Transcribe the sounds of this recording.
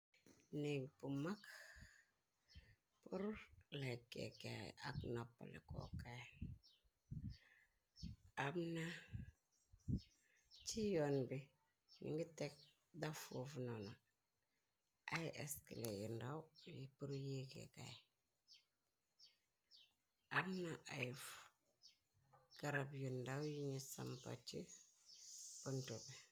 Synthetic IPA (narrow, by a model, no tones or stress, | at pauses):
niɡpumak | puɾlekḛka̰aknapːa̰lḛko̰ka | abna | t͡ʃijonbi | nḭŋɡitek̚ | dafufnona | ajʔeskḭlejundawjipuɾjekḛɡa̰j | abnaʔajf | ɡ̥aɾabjundawjiɲisa̰mpa̰t͡ʃi | puntube